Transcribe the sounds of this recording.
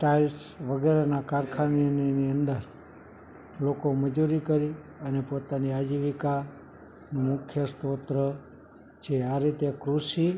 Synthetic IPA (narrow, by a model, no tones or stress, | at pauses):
ʈalsʋəɡeɾenakaɾkʰaninniənd̪əɾ | lokoməd͡ʒuɾikəɾi | ənepot̪aniad͡ʒiʋika | nũmʊkʰjəst̪ot̪ɾə | t͡ʃʰeaɾit̪ekɾusi